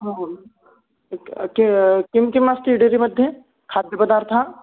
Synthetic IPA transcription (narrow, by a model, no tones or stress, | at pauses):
ɦã | kkɪmkɪmasʈ̪iːɖeɾimɐd̪ʱje | kʰaːd̪ʱjəpɐd̪aːɾt̪ʰa